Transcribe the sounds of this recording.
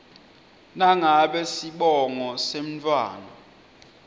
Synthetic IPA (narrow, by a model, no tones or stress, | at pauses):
naŋaɓɛsiɓɔŋɔsem̩t͡fʰʼwa̰ːnɔ